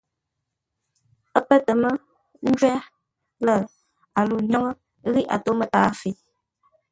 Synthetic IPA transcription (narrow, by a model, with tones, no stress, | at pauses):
ə˦pə˦tə˨mə˦ | n̩˦d͡ʒwɛ˦ | lə˦˨ | a˨lu˨ɲɔ˦ŋə˦ | ɣi˦ʔa̰˨to˨˦mə˦taː˨˦fi˨˦